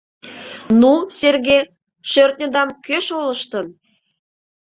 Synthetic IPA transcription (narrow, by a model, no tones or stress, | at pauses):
nuserɣe | ʃørt̪̚nʲə̆d̪ɑmkøʃolə̆ʃt̪ən